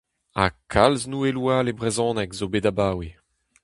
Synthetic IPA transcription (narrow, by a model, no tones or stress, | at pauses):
a̰kʰalznuːelwaːlebʁezɔ̃ːnɛkzobedabaːwe